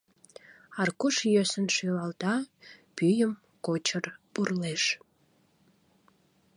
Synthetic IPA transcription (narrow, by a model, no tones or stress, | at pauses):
ɑrkuʃjøsənʃylɑld̪ɑpyjəm | kot͡ɕərpurleʃ